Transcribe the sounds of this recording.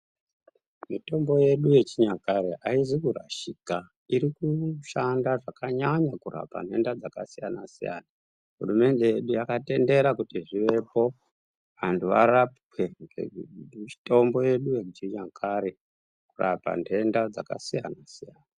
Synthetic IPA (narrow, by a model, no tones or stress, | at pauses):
mito̞mbo̞je̞ɗujet͡ʃiɲakaɾeʔaizikuɾa̰ʃika | iɾikuʃandaʐakaɲaɲakuɾa̰pa̰n̤ʱe̞ndad͡zakasijanasija̰ːna | ɦurume̞nde̞je̞ɗujakate̞nde̞ɾakutiʐiʋe̞po̞ | ʋantʰuʋaɾapweŋɡḛ | to̞mbo̞je̞ɗujet͡ʃiɲakʰaɾe | kurapa̰nʱe̞ndad͡zaka̰sijanasijaːna